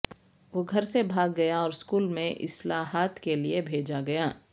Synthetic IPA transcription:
ʋoːɡʱɐɾsebʱaːɡːɐjaɔːɾɪskuːlmẽʔɪ̰slaːɦaːt̪keliebʱeːd͡ʒaɡɐjaː

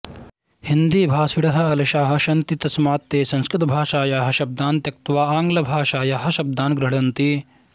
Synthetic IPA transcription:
hind̪iːbʱaːsiɽɐɦɐ̆ɐlɐʃaːɦɐ̆ʃɐnt̪it̪ɐsmaːt̪ːeːsɐ̃nskɾɪt̪ɐbʱaːʂaːjaːɦɐ̆ʃɐb̚d̪aːnt̪jɐk̚t̪ʋaːaːŋɡlɐbʱaːʃaːjaːɦɐ̆ʃɐb̚d̪aːnɡɾɐɽɐnt̪i

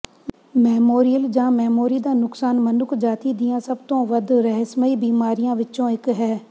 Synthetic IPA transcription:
mɛːmoːɾijəld͡ʒãːmɛːmoːɾid̪aːnʊksaːnmənʊkʰd͡ʒaːt̪id̪ijãːsɐbt̪õːʋəd̪ɾɛɦsməibiːmaːɾijãʋɪːʃõːɪkɦɛː

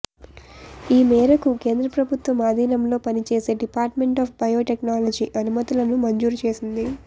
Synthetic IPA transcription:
iːmɛːɾɐkuke̞ːnd̪ɾɐpɾɐbʱut̪ʋɐmaːd̪ʱiːnɐmlo̞ːpɐnit͡ʃe̞ːse̞ːɖipaːɾʈme̞ɳʈaːfbɐjo̞ːʈeknaːlɐd͡ʒiːʔɐnumɐt̪ilɐnumɐɲd͡ʒuːɾut͡ʃe̞ːsind̪i

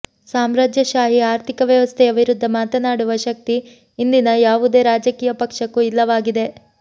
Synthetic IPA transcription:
saːmɾaːd͡ʒjɐʃaːɦiaːɾt̪ʰikɐʋjɐʋɐst̪ʰɛɐbʱiɾud̪ʱːɐmaːt̪ɐnaːɽuʋɐʃɐk̚t̪iː | nd̪inɐjaːʋud̪e̞ːɾaːd͡ʒɐkiːjɐpɐkʂɐkːuilːɐʋaːɡid̪e̞

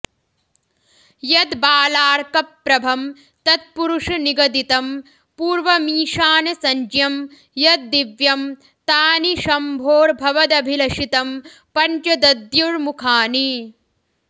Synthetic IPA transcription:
jɐd̪baːlaːɾkɐpːɾɐbʱɐm | t̪ɐt̪̚puɾuʂɐniɡɐd̪it̪ɐm | puːɾʋɐmiːʃaːnɐsɐɲd͡ʒjɐm | jɐd̪̚d̪iʋjɐm | t̪aːniʃɐmbʱoːɾbʱɐʋɐd̪ɐbʱilɐʃit̪ɐm | pɐɲt͡ʃɐd̪ɐd̪juɾmukʰaːni

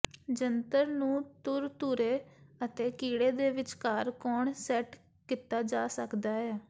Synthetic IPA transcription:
d͡ʒənt̪əɾnũːt̪ʊɾt̪uːɾeːət̪eːkiːɽeːd̪eːʋɪt͡ʃkaːɾkɔːɳsɛːʈ | kɪt̪aːd͡ʒaːsəkd̪aːɦɛː

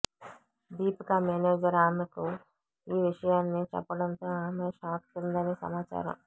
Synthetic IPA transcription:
d̪iːpkaːmeːneːd͡ʒɐɾaːnɐku | iːʋiʂɐjaːnːit͡ʃɛ̰pːɐɽɐnt̪oːaːmeːʃaːkt̪und̪ɐneːsɐ̰maːt͡ʃa̰ːɾɐ̰m

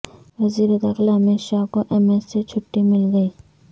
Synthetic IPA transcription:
ʋɐziːɾed̪ɐxlaɦɐmeːʃakoʔɛmesːet͡ʃʰʊʈːimɪlɡɐiː

